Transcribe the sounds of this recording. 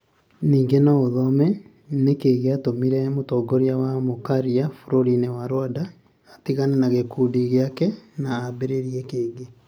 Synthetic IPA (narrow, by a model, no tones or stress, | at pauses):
niːŋɡenɔoðɔmɛ | nekeːɣeatomiɾɛmotɔɡoɾjawamokaɾiafoɾoɾinewaɾwadaː | tiɣanenaɣekuːdiɣeakɛnaːbeɾeɾiɛkeːɡe